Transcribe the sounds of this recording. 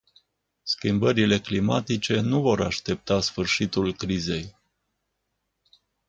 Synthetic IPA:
skʲimbəɾile̞klimat̪it͡ʃe̞nuvo̞ɾa̰ʃt̪e̞p̚t̪asfɨrʃit̪ulkɾize̞j

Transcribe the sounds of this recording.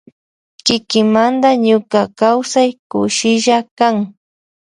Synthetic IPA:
kɪkɪŋmand̪aɲʊkakawsajkʊʃɪʒakaŋ

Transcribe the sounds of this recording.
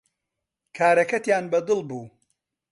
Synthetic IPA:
kʰaːɾɐkɐt̪jaːnbɐd̪ɨlˠbuː

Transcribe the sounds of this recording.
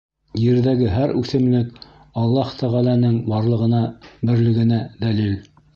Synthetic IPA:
jɘ̆ɾðæɡɘɦæɾʉθɘ̆mlɘk | ɑlˠːɑht̪ʰæʁælænɘŋbɑɾlˠɤ̆ʁɤ̆nɑbɘ̆ɾlɘ̆ɡɘ̆næd̪ælil

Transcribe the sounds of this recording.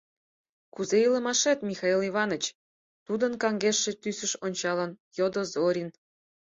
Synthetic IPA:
kuzejilə̆mɑʃɑt̪mʲixɑiliβɑnət͡ɕ | t̪ud̪ənkɑŋɡeʃːĕt̪ysə̆ʃonʲt͡ɕɑlə̆njod̪ozoɾʲin

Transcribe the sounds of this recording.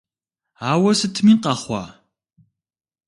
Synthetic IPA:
aːwɐsɨtʰɨmiːqɐχʷɑ̰ː

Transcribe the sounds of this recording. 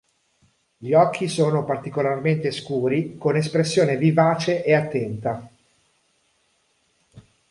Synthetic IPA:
ʎiɔkʰːisoːnopart̪ikolarment̪eskuːɾikonespɾesːjoːnevivaːt͡ʃeʔeat̪ːɛnt̪a

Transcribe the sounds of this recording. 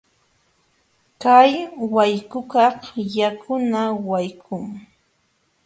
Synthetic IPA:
kajwajkʊkɑχjakʰʊnawajkʰʊŋ

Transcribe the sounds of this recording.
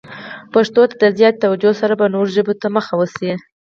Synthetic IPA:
paʂt̪ot̪ad̪əzjɑt̪ːawad͡ʒosaɾabanoɾoʒəbot̪aməxawəsi

